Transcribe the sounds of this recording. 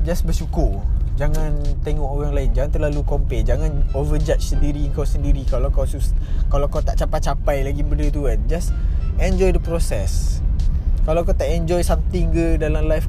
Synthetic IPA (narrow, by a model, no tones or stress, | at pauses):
d͡ʒasbəsukʊrd͡ʒaŋãnt̪eŋɔkoɣaŋlaɪnd͡ʒaŋãnt̪ərlalukɔmpɛnd͡ʒaŋãnovəd͡ʒat͡ʃsəndiɾiəŋkawsəndiɾikalawkawsuskalawkawt̪aʔt͡ʃapat͡ʃapajlaɡimbəndət̪uand͡ʒasɛnd͡ʒɔjdəpɾosɛs | kalawkawt̪aʔɛnd͡ʒɔjsamt̪ɪŋɡədalamlajf